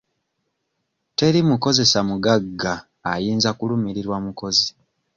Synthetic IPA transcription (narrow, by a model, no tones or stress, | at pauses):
te̞ɾimuko̞ze̞samuɡaɡːaː | jiːnzakulumiɾiɾwamuko̞zi